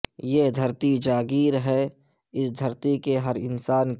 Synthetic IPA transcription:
jed̪ʱəɾt̪id͡ʒaːɡiːɾɦɛɪsd̪ʱɐɾt̪ikeɦəɾɪ̰nsaːn

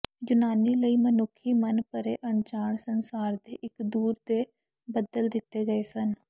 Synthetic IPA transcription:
jʊnaːniːləiːmənʊkʰːiːmənpəɾeːʔəɳt͡ʃaːɳsənsaːɾd̪eːʔɪkd̪uːɾd̪eː | bəd̪əld̪ɪt̪ːeːɡəeːsən

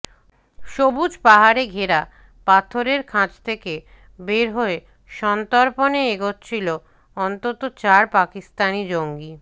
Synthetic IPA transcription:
ʃobud͡ʑpaɦaɾeɡʱeɾa | pat̪ʰoɾeɾkʰãd͡ʑt̪ʰeke | beɾɦoe | ʃɔnt̪oɾponeeɡot̪t͡ɕʰilo | ɔnt̪ot̪ot͡ɕaɾpakist̪anid͡ʑoŋɡi

